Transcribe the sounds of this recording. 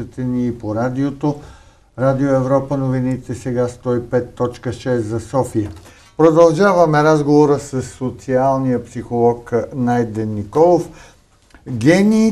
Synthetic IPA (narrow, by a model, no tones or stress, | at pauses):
ət̪ɛniːpoɾad̪iot̪o | ɾad̪ioɛvɾɔpənovinit̪ɛsɛɡast̪ɔipɛt̪ːɔt͡ʃkəʃɛszɐsɔfiə | pɾod̪ɐlˠʒavɐmɛɾazɡovoɾəsɐsːot̪sialˠnijəpsixolˠɔknajd̪ɛnːikɔlˠof | ɡʲɛniː